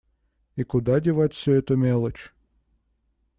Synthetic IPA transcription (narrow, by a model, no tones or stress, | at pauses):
ikʊd̪adʲɪvatʲfsʲɵɛt̪ʊmʲelˠət͡ɕ